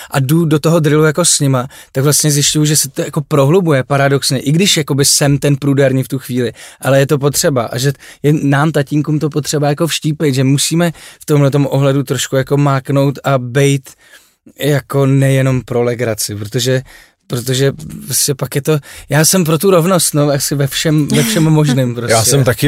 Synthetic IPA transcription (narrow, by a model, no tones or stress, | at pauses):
ʔadudo̞t̪oɦo̞d̪ɾɪlujako̞sɲɪma | t̪akvlast̪ɲɛzjɪscujuʒɛsɪt̪ojako̞pɾo̞ɦlubujɛpaɾado̞ksɲɛʔɪɡdɪʃjako̞bɪsɛmt̪ɛnpɾudɛɾɲiːft̪uxviːlɪʔalɛjɛt̪o̞p̬o̞t̪r̝̥ɛbaʔa̰ʒɛjɛnaːmt̪aciːŋkumt̪o̞pot̪r̝̥ɛbajako̞fʃciːpɛjt̪ʒɛmusiːmɛft̪omlɛt̪o̞mʔo̞ɦlɛdut̪ɾo̞ʃkujako̞maːkno̞wt̪abɛjt̪ | jako̞nɛjɛno̞mpɾo̞lɛɡɾat͡sɪpɾo̞t̪o̞ʒɛ | pɾot̪o̞ʒɛpɾoscɛpakjɛt̪o̞jaːsɛmp̬ɾo̞t̪uɾo̞vno̞st̪no̞asɪvɛfʃɛmvɛfʃɛmːo̞ʒnɪːmpɾojaːsɛmt̪akɪ